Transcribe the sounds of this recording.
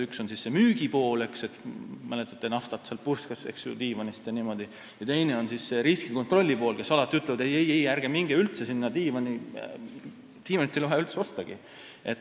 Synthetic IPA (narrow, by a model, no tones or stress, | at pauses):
ykso̞nsisːemyːɡ̥ipo̞ːle̞kse̞t̪mælet̪ːˑɑ̥t̪ːenɑft̪ɑt̪seɑl̚purskɑsḛksjṵt̪iːvɑnist̪jɑniːmo̞d̪i | jɑt̪e̞jne̞o̞nsisːe̞ɾiskiko̞nt̪ˑro̞lʲːipo̞ːlke̞sːɑlɑt̪ːˑiyt̪ːˑlɛvɑd̪ejejejærɡ̥emiŋɡ̥eylt̪se̞sinːɑt̪iːvɑni | t̪iːvɑnit̪ːˑeloɦeylt̪seo̞st̪ɑɡ̥i | e̞t̪